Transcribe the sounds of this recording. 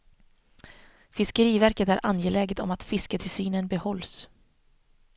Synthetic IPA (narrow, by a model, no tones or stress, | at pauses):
fɪskəɾiːvæɾkət̪æɾʔa̰njeːlɛːɡət̪ɔ̰mat̪fɪskət̪ʰɪlsyːnənbɛhɔlːs